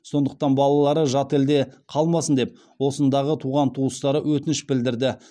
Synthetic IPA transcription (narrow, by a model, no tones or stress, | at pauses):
so̞nd̪əq̚t̪ɑnbɑlˠɑlˠɑɾəʒɑt̪e̞ld̪e̞qʰɑlˠmɑsənd̪e̞p̚ | wo̞sənd̪ɑʁət̪ʰuʁɑnt̪ʰuəst̪ɑɾəwɵt̪ɪnɪʃbɪld̪ɪɾd̪ɪ